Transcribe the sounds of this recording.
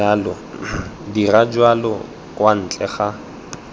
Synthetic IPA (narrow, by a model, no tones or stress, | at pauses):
alɔdirad͡ʒwalɔ | kʼwan̩t͡ɬʼɛχa